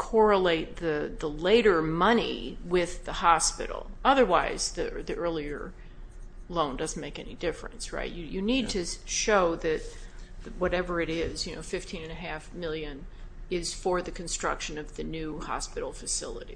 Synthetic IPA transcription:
kʰɔɹəleɪt̪̚ðɨðəleɪɾə˞mʌnḭwɪðəhɑspɪ̰ɾl̩ˠʌðə˞waɪzðɨ̰ðiʔɜ˞lˠiə̰˞ | lõʊ̃ndʌzn̩meɪkɛnḭdɪfɹɨ̰̃nsɹa̰ɪtjɨjɨnid̚tʰɨʃoʊðɨt̪̚ðwʌɾɛvə˞ɨɾɪzjɨno̰ʊfɪftʰĩnɨ̃nɨɦæfmɪlˠjɨ̃n | ɪz̥fə˞ðɨkʰɨ̃n̩stɹ̥ʌ̰kʃɨ̃nʌvðɨnʉhɑ̰spɪɾl̩ˠfɨsɪ̰lˠə̰ɾḭ

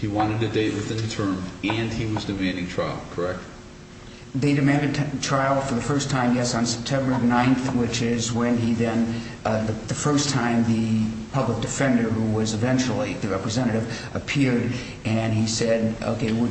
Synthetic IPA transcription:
hiwɑ̃ɾ̃ɨd̚tɨdeɪʔ̚wɨθɪ̃nðɨtʰɜ̃˞mɨ̃niwʌzdɨmæ̃ndɪ̃ŋtʰɹ̥aɪl̩ˠkʰə˞ɛk̚t̚ | ðeɪdɨmæ̃ndɨd̚ʰtʰɹ̥aɪl̩ˠfə˞ðɨfɜ˞stʰãɪ̃mjɛsn̩sɛ̥p̚tʰɛ̃mbə˞nãɪ̃nθwɪt͡ʃɪzwɨ̃niðɨ̃n | ðɨfɜ˞stʰãɪ̃mðɨpʰʌblək̚d̥ɨfɛ̃ndə˞huwʌzɨvɛ̃nt͡ʃl̩ˠiðɨɹɛpɹɨzɛ̃ɾ̃ɨɾɨvʔəpʰɪɹɾ | ɨ̃nisɛɾo̰ʊkʰeɪwɪ

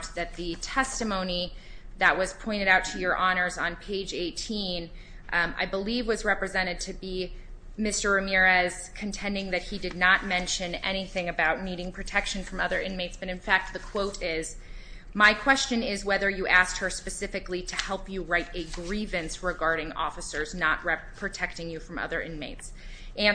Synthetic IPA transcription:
ðɨt̪̚ðɨtʰɛstɨmõʊ̃niðɨʔ̚wʌz̥pʰɔ̃ɪ̃ɾ̃ɨɾaʊtʰɨjə˞ʔɑñə˞zn̩pʰeɪd͡ʒeɪtʰĩn | a̰ɪbəlivwʌzɹɛpɹɨzɛ̃ɾ̃ɨd̚tʰɨbi | mɪstə˞ɨmɪɹɨz̥kʰɨ̃ntʰɛ̃ndɪ̃ŋðɨt̚hidɨdⁿnət̚mɛ̃nʃɨ̃nɛ̰ɾ̃iθɪ̃ŋɨbaʊtⁿniɾɪ̃ŋpʰɹ̥ɨtʰɛkʃɨ̃nfɹʌ̃mʌðə˞ʔɪ̃nmeɪtsb̥ʌɾɨ̃nfæk̚t̪̚ðɨkʰw̥oʊɾɪz̥ | maɪkʰw̥ɛst͡ʃɨ̃nɪzwɛðə˞jɨʔæs̚t̚hə˞spɨsɪfɨkliɾɨhɛlˠpjɨɹaɪɾɨɡɹivɨ̃nsɹɨɡɑɹɾɪ̃ŋɔ̰fɨsə˞znəʔ̚ɹɛpʰɹ̥ɨtʰɛk̚tɪ̃ŋjɨfɹʌ̃mʌ̰ðə˞ʔɪ̃nmeɪts | ʔæ̃n

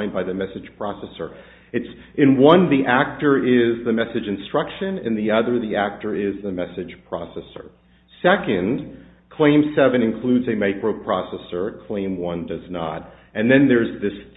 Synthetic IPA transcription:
ɪ̃nbaɪðɨmɛsɨd̥ʒ̥pʰɹ̥ɑsɛsə˞ | ɨts | ʔɨ̃nwʌ̃nðiʔæk̚tə˞ɪzðɨmɛsɨd͡ʒɨ̃nstɹ̥ʌkʃɨ̃nɨ̰̃nðiʌðə˞ðiæk̚tə˞ɪzðɨmɛsɨd̥ʒ̥pʰɹ̥ɑ̰sɛsə̰˞ | sɛkɨ̃nd̥ | kʰl̥ẽɪ̃msɛvɨ̃nɨ̃nkʰl̥ʉdzɨmeɪkɹoʊpʰɹ̥ɑsɛsə˞kʰl̥ẽɪ̃mwʌ̃ndʌznə̰ɾ | ɨ̃nðɨ̃nðə˞zðɨs

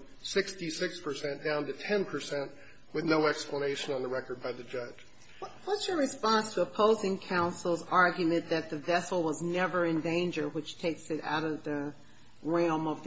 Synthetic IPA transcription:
sɪkstisɪkspʰə˞sɛ̃nd̥ãʊ̃ntɨtʰɛ̃npʰə˞sɛ̃nʔ | wɨðnoʊɛkspləneɪʃɨ̃nə̃nðəɹɛkə˞d̚baɪðɨd͡ʒʌd̥ʒ̥ | ʌwʌtsjə˞ɹɨspɑ̃nstʰəːpʰoʊzɪ̃ŋkʰãʊ̃nsl̩ˠzɑɹɡjmɨ̃nðɨt̪̚ðɨvɛsl̩ˠwʌznɛvə˞ɨ̃ndẽɪ̃nd͡ʒə˞wɨt͡ʃtʰeɪksɨɾa̰ʊɾʌvðɨ | ɹɛ̃lˠmʌv

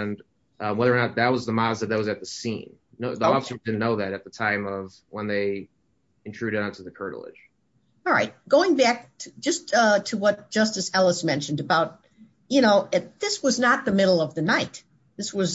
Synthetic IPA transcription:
n | ʌwɛðə˞ə˞nət̪̚ðɨt̚wʌzðəmɑzðɨt̪̚ðeɪwʌzɨt̪̚ðɨsḭ̃nːoʊðiɔfəsə˞dɪdⁿn̩noʊðɨɾɨt̪̚ðətʰãɪ̃mʌv̥ | wə̃nðeɪ | ɨ̃ntʰɹ̥ʉɾɨɾʌ̃ntʰəðɨkʰɜ̰˞ɾl̩ˠɪ̰d̥ʒ̥ | ɑɹˠɹaɪt̚ɡ̥oʊɪ̃ŋbæk̚ʰɨ̥d͡ʒʌstʌtʰɨwʌt̚d̥ʒ̥ʌstɨsɛlˠəsmɛ̃nʃɨ̃n̩dɨbaʊt̚ | jɨnoʊɨðɪswʌznət̪̚ðɨmɪɾl̩ˠʌvðɨnaɪt̪̚ | ðɪswʌz

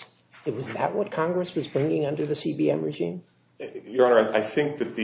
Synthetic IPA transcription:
ɨt̚wʌzðə̰ʔ̚wʌt̚kʰɑ̃ŋɡɹɨswʌzbɹɪ̃ŋɪ̃ŋʌ̃ndə˞ðɨsibiɛ̃mɹɨʒḭ̃m | jə˞ɑ̃nə˞aaɪθɪ̃ŋk̚ðɨt̪̚ðɨ

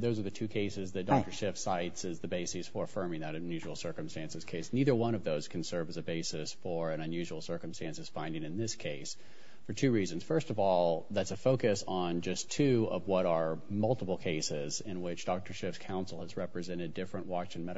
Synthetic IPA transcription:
ðoʊzə˞ðɨtʰʉkʰeɪsɨzðɨtd̥ɑk̚tə˞ʃɪfsaɪtsɨzðɨbeɪsisfə˞fɜ̃˞mɪ̃ŋðɨɾɨ̃n̩jʉʒwl̩ˠsɜ˞kɨ̃m̩stæ̃nsɨz̥kʰeɪsniðə˞wʌ̃ɾ̃ʌvðoʊz̥kʰɨn̩sɜ˞vɨzɨbeɪsɨsfə˞ɨ̃nɨ̃njʉʒwl̩ˠsɜ˞kmstæ̃nsɨz̥fãɪ̃ndɪ̃ŋɨ̃nðɪskʰeɪs | fə˞tʰʉɹizɨ̃n̩z̥fɜ˞stʌvɔlˠðætsɨfoʊkɨsn̩d͡ʒʌstʰʉʌvwʌɾə˞mʌlˠtəpl̩ˠkʰeɪsɪzɪ̃nwɪt͡ʃd̥ɑk̚tʰə˞ʃɪfskʰãʊ̃nsl̩ˠəzɹɛpɹɨzɛ̃ɾ̃ɨdɪfɹɨ̃nʔwɑt͡ʃɨ̃n̩mɛɾ

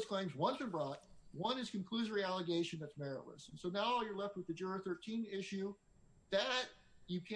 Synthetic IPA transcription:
z̥kʰl̥ẽɪ̃mzwʌ̃nθɨ̃nbɹɑt̚wʌ̃nɨz̥kɨ̃nkʰl̥ʉzə˞iælˠəɡeɪʃɨ̃n̩ðɨtsmɛɹə̰ʔlə̰sn̩soʊnaʊjə˞lɛft̚wəðɨd͡ʒʊɹəθɜ˞tʰĩnɪʃʉ | ðɨt͡ʃ | ɨkʰæ̃

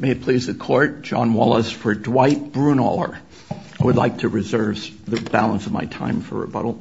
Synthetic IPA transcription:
meɪɨt̚pʰl̥izðɨkʰɔɹt̚d̥ʒ̥ɑ̰̃nwɑlˠəsfə˞dwaɪt̚b̥ɹũnɔ̰lˠə̰˞ | aɪwədˡlaɪk̚tʰɨɹɨzɜ˞vðɨbælˠə̃nsʌvma̰ɪtʰã̰ɪ̃ɱfə̰˞ɨ̰bʌ̰ɾl̩ˠ

